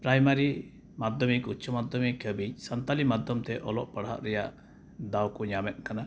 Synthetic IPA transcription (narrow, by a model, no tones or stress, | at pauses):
pɾajmaɾi | mad̪ʱɔmikut͡ʃʰɔmad̪ʱɔmikʰəbiɲ̚sənt̪alimad̪ʱjɔmt̪ɛʔɔlɔʔpaɽa̰ʔɾɛja̰ʔ | d̪awkɔɲamɛt̪̚ˀkana